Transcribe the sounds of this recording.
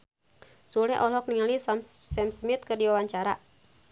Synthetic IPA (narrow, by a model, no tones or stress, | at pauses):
sulɛʔɔlɔk̚niŋalismsɛmsmit̪̚kɨrdiwawaɲt͡ʃaɾa̰